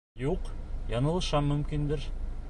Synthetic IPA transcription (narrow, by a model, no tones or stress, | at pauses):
juqjɑnɤ̆lˠɤ̆ʃɑmɵ̆mkind̪ɘɾ